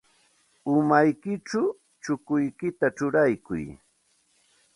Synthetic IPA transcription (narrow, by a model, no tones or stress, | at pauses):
ʊmajkɪʈ͡ʂa | t͡ʃʊkʊjkɪt̪aʈ͡ʂʊɾajkʊ̰j